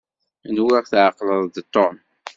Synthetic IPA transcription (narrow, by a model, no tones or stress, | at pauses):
nwɪʁθʕəqːləðˤd̪t̪ˤːom